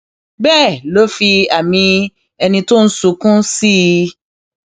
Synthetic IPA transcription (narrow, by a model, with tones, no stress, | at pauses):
bɛː˦˨lo˨˦fi˧a˨mĩ˧ | ɛ˧nĩ˧to˦n̩˦su˨˧˦kũ˦si˦˧